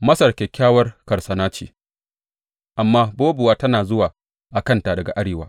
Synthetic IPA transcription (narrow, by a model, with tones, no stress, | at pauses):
mɐ˦sɐ˨rkʲeː˨kʲaː˦wɐ˦rkɐ˨rsɐ˨naː˦t͡ʃḛː˨ | ʔa˨mːaː˦boː˦bʊ˨waː˦tɐ˦naː˨zʊ˦waː˨ | ʔa˨kɐ˦nta˨dɐ˨ɡa̰˨ʔa˦ɽeː˨waː˦